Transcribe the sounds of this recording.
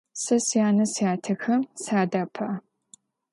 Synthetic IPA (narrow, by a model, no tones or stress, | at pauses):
sɐsijaːnɐsjaːtʰɨxɐmsaːdɐpʰɐ